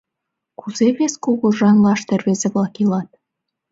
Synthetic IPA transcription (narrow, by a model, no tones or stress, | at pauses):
kuzeβeskoɣoʒɑnlɑʃt̪erβezĕβlɑkilɑt̪̚